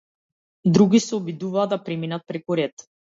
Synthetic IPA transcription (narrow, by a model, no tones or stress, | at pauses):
d̪ɾuɡʲisɛɔbid̪uvaːd̪apɾɛminat̪̚pɾɛkuɾɛt̪